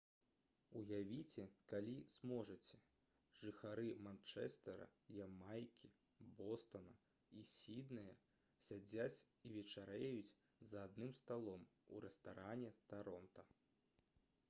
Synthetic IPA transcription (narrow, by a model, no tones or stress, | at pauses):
ujavʲit͡sʲɛkalʲismɔʐɐt͡sʲɛ | ʐɨxaɾɨmant͡ʂɛ̰st̪ɛɾɐ̰jamajkʲi | bɔst̪ɐnɐ | isʲid̪nɨjɐ | sʲad͡zʲat͡sʲivʲɛt͡ʂaɾɛjut͡sʲ | zɐad̪̚nɨmst̪alˠɔmuɾɛst̪aɾanʲɛt̪aɾɔnt̪ɐ